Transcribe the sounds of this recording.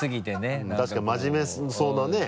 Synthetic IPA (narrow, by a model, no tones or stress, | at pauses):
ɨɡʲit̪e̞neɯ̃t̪aɕi̥kaimaʑime̞sso̞ːnane̞